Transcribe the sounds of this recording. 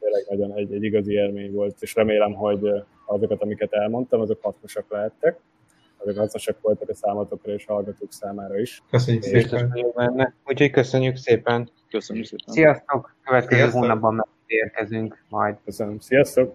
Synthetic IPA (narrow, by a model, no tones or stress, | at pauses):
t̪eːlːɛɡnɒɟo̞nɛɟɛɟːiɡɒzieːlmeːɲvo̞lt̪eːʃrɛmeːlɛmɦo̞ɟ | ɒzo̞kɒt̪ɒmikɛt̪ɛlmo̞nt̪ɒmɒzo̞khɒt̪no̞ʃɒklɛɦɛt̪ːɛk̚ | ɒzokɦɒt̪noʃɒkfo̞lt̪ɒkɒsaːmɒt̪o̞krɒeːʃhɒlɡɒt̪oːksaːmaːɾɒiʃkøsøɲːyist̪oooːbɛnːɛuːcho̞ckøsøɲːykseːpɛn | køssijɒst̪okkøvɛt̪̚kɛzøøːɦoːnɒbːɒmːɛit̪eːrkɛzyŋkmɒjd̪køsønømsijɒst̪ok̚